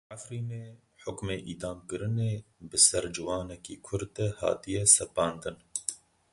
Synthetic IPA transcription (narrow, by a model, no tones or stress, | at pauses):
ʕafɾiːneː | ħʊkmeːʔiːd̪ɑːmkɨɾɨneːbɨsɛɾd͡ʒɨwɑːnɛkiːkʰʊɾd̪ɛhɑ̰ːt̪ijɛsɛpɑːnd̪ɨn